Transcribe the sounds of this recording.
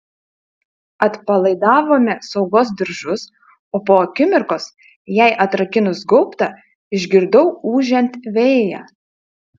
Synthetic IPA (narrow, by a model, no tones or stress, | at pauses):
ɐt̪pɐlˠɐɪd̪ɑːʋoːmʲɛsɒʊɡoːsd̪ʲɪɾʒʊs | oːpoːɐkʲɪmʲɪɾkoːs | jæˑɪʔɐt̪ɾɐkʲɪnʊsɡɔʊpt̪ɐ | ɪʒʲɡʲɪɾd̪ɔʊuːʒʲɛnʲt̪ʲʋʲeːjæ̰ː